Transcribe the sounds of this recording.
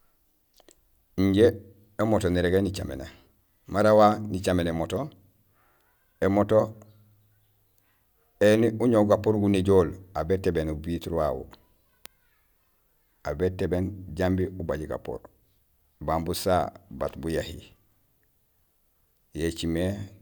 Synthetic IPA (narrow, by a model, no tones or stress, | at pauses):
iɲɟe | emotoniɾeɡenit͡ʃa̰mḛna̰ | maɾawanit͡ʃamenemoto | emoto | eniuɲoɡapoɾɡuneɟoːlabetebenubitɾwawṵ | abetebenɟambiubaɟiɡa̰po̰ɾ | bambusaba̰tbujahḭ | jet͡ʃime